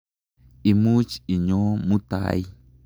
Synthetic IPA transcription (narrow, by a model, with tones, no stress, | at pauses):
i˨mu˦t͡ʃi˨ɲo˦mũ˦t̪a̰˨j